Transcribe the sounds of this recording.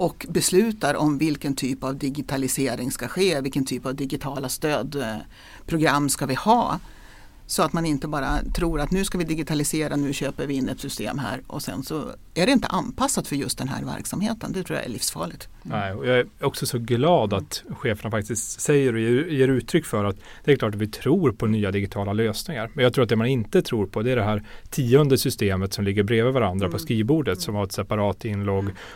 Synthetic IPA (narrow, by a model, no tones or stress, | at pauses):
ʔɔkbɛslʉ̟ːt̪aɾɔmvɪlkənt̪ʰyːpavd̪ɪɡɪt̪ʰalɪseːɾɪŋskaɧeːvɪlkənt̪ʰyːpavd̪ɪɡɪt̪ʰɑːlast̪øːd̪ | pʰɾʊɡɾamːskavɪhɑː | sɔat̪manɪnt̪əbɑːɾa̰t̪ʰɾuːɾat̪nʉ̟ːskavɪd̪ɪɡɪt̪ʰalɪseːɾanʉ̟ːɕøːpəɾvɪɪnːɛt̪sʏst̪ḛːmɦæ̰ːɾʔɔ̰sɛ̰nsɔ̰ | æɖɛɪnt̪ə̰ʔanpʰasːat̪fœɾjɵst̪̚d̪ɛnɦæ̰ːɾvæ̰ɾksamheːt̪ə̰nd̪ɛt̪ʰɾuːja̰ʔæ̰ɭɪ̰fsfɑ̰ːɭɪɡ̚t̪ | nɛɪɔjɑːæɔksɔsɔɡlɑːd̪at̪ɧeːfəɳafak̚t̪ɪst̪sɛjːəɾɔjejeːɾʉ̟ːt̪ʰɾʏkːfœɾat̪ | d̪ɛæɾklɑːʈ̬at̪vɪt̪ʰɾuːɾpʰɔnyːad̪ɪɡɪt̪ʰɑːlaløːsnɪŋaɾmɛnjɑɡt̪ɾuːɾat̪d̪ɛmanɪnt̪ət̪ʰɾuːɾpʰɔd̪ɛæɖɛɦæːɾt̪ʰiːʊnd̪əsʏst̪eːmət̪sɔmlɪɡːəɾbɾeːvəvaɾand̪ɾapʰɔskiːvbuːɖət̪sɔmhaɾɛt̪sɛpaɾɑːt̪ɪnːloːɡ